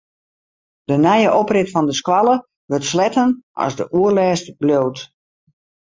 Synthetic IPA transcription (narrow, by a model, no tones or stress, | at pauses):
d̥ənɛjəʔɔprɪtfɔndəskwɑlˠə | ʋərtslɛtənʔɔ̰zdəʔuərlɛːstbljoːt